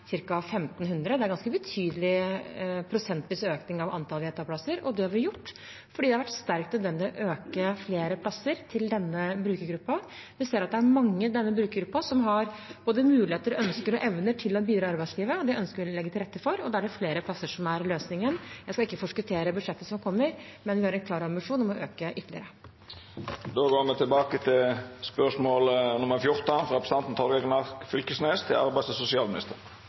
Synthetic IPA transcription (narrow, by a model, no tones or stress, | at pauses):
sɪɾkɑfɛmt̪nɦʉnd̪ɾəd̪ɛæɾɡɑnskəbət̪ʰyːd̪əlɪ | pʰɾʊsɛnt̪ʋɪsøːknɪŋɑʋʔɑ̰nt̪ʰɑlʋeːt̪ɑplɑsəɾɔd̪ɛhɑɾʋɪjʊʈː | fɔɖiːd̪ɛhɑʋæʈːst̪æɾk̚t̪nəd̪ʋɛnd̪ɪɔʔøːkəfleːɾəpʰlɑsːəɾt̪ʰɪld̪ɛnːəbɾʉːkəɾɡɾʉpːɑʋɪseːɾɑt̪̚d̪ɛæɾmɑŋːəd̪ɛnːəbɾʉːkəɾɡɾʉpːɑsɔmɦɑɾ | b̥oːd̪əmʉːlɪeːt̪əɾɔœnskəɾɔʔɛʋnəʈʰɪlːɔbiːd̪ɾɑɑɾbæɪsliːʋəɔd̪ɛœnskəɾʋɪlɛɡːət̪ʰɪlɾɛt̪ːəfɔɾɔd̪ɑːæɖɛfleːɾəpʰlɑsːəʂɔmæɾløːsnɪŋənjæɪskɑɪkːəfɔʂkət̪ʰeːɾəbʉd̪ʂɛt̪ːəsɔmkʰɔmːəɾ | mɛnʋɪhɑɾɛnklɑːɾɑmbɪʂuːnɔmɔʔøːkəʔʏt̪ːəlɪə̰ɾə | d̪oːɡoːmɛt̪ʰɪlbɑːkət̪ʰɪlspœʂmoːlnʊməɾfjʊʁt̪ɑfɾɑɛpɾəsəɑnn̩t̪ʰɔɾɡɑɡnɑʁkfʏlkəsneːst̪ʰɪlʔɑ̰ɾbæɪst̪sʊsɪɑːmɪnɪst̪əʁ